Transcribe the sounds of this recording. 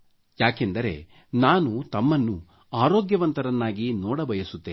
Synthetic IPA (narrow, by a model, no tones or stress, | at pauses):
jaːkend̪ɐɾe̞̰ | naːnut̪ɐmːɐnːu | aːɾoːɡjɐʋɐnt̪ɐɾɐnːaːɡinɔːɽɐbʱɐjɐsut̪ːeː